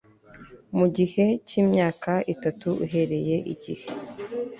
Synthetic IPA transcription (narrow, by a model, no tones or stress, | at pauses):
muɟihe̞ciːmɲaːkaitatuṵɦe̞ɾe̞je̞ʔḭɟihe